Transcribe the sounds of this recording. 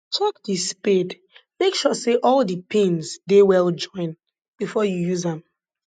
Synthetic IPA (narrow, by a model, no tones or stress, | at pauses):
tʰɔk̚disped | mekʃɔseʔɔlˠdəpʰĩnzdewɛlˠd͡ʒɔ̃ɪ̃n | b̥ifɔjujuzə̃m